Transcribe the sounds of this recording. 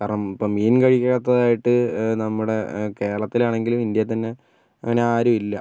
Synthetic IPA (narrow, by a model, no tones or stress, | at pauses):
kaːɾɐɳɐmipːoːmːiːnkɐɻikʲːɐkɐt̪ːɐðaːjiʈːɨnɐmːuɽe̞ke̞ːɭɐt̪ːilaːɳe̞ŋɡilumind̪jɐt̪ɐnːe̞ | ɐ̰ŋːɐne̞aːɾumilːɐ